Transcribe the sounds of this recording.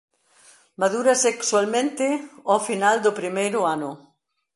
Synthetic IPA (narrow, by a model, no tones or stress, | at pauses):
maðuɾɐsekswalmẽnt̪ɪɔfinald̪ʊpɾimejɾʊanʊ